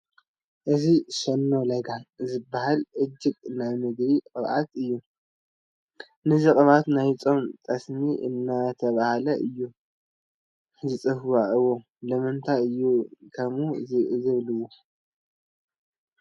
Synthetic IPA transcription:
ʔɨziʃɐnːo̞lɐɡazɨbːahalʔɨd͡ʒːɪkʼnaβmɨɡɾiqʼɨβʔat̪ɨjːu | nɨzikʼɨβat̪najt͡sʼo̞mt̪ʼɐsmiʔɨ̰nːat̪ʰɐβahalɐʔɨjːu | zɨt͡sʼɨfwaʔɨwo | lɐmɨnt̪ʰaɨjːukʰɐmuzɨβlɨwːo

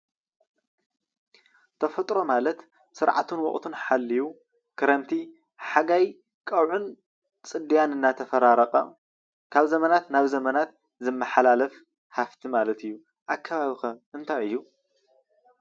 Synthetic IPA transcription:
t̪ʰɐfɐt̪ʼɾo̞malɐt̪ | sɨɾʕa̰t̪ʰunwɔ̰χʼt̪ʰunħalːiju | kʰɨɾɐmt̪ʰi | ħaɡaj | kʼɐwʕun | t͡sʼɨd̪ijanɨnːat̪ʰɐfɐɾaɾɐqʼɐ̰ | kʰaβzɐmɐnat̪naβzɐmɐnat̪̚ | zɨmːɐħalalɐf | haft̪ʰimalɐt̪ɨjːu | ʔakʰːɐβaβixɐɨnt̪ʰajɨjːu

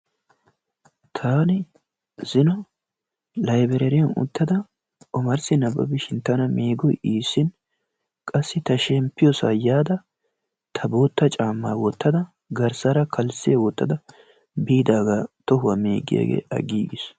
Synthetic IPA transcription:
t̪ʰaːnɪ | zɪnɔ | lɐjbɛɾɛɾɪjɐnʊ̰t̪ːɐd̪ɐ | ʔɔmɐɾsɪnɐbɐ̰bɪʃɪnt̪ːɐnɐmeːɡɔjiːsːɪn | kʼɐsːɪt̪ɐʃɛmpːɪjɔsa̰jaːd̪ɐ | t̪ʰɐbo̞ːt̪ːɐt͡ʃʼaːmːaːwɔt̪ːɐd̪ɐ | ɡɐɾsɐɾɐkʰɐlsɪjɐwɔt̪ːɐd̪ɐ | biːd̪aːɡat̪ɔhʊwɐmeːɡɪ̰ja̰ːɡḛːʔɐ̰ɡiːɡɪs

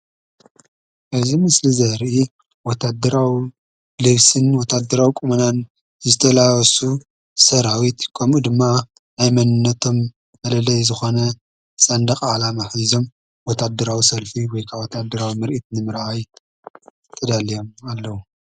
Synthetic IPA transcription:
ʔɨzimɨslizɐɾʔi | wɔt̪ʰːad̪ɐɾawi | lɨβsɨnwɔt̪ʰːad̪ːɐɾawikʼumɐnan | zɨt̪ʰɐlawɐsu | sɐɾawit̪kʰɐmʔud̪ɨmːaː | jmɐnɨnːɐt̪ʰo̞m | bɐlɐlɐjzɨxo̞nɐ | sɐnd̪ɐqʼalamaħzo̞m | wɔt̪ʰːad̪ːɐɾawisɐlfiwɔjkʰaβwɔt̪ʰːad̪ɐɾawimɨɾʔit̪nɨmɨɾʔaj | t̪ʰɐd̪alijo̞malːɐwu

